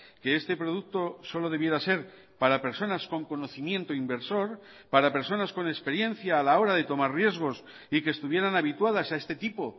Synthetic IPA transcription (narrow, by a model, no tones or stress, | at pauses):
ke̞est̪e̞pɾo̞ð̞uk̚t̪o̞so̞lo̞ð̞e̞β̞je̞ɾase̞ɾ | paɾape̞ɾso̞nasko̞ŋko̞no̞θimje̞nt̪oimbe̞ɾso̞ɾ | paɾape̞ɾso̞nasko̞nespe̞ɾje̞n̟θjaːlao̞ɾaðe̞t̪o̞maɾrje̞zɣ̞o̞s | ikest̪uβje̞ɾanaβ̞it̪wað̞asae̞st̪e̞t̪ipo̞